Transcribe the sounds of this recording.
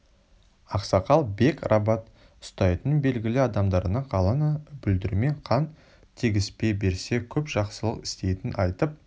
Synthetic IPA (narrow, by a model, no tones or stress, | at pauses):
ɑqsɑqɑlˠbe̞krʔɑbɑt̪ | ʊ̥st̪ɑjt̪ənbe̞lɡʲɪlɪɑd̪ɑmd̪ɑɾənɑɴqʰɑlˠənbʏld̪ɪɾme̞ɴqʰɑn | t̪ʰiɡʲɪspe̞be̞ɾse̞kʲʰɵpʒ̥ɑqsəlˠə̰qɪ̥st̪e̞jt̪ɪnʔɑjt̪əp̚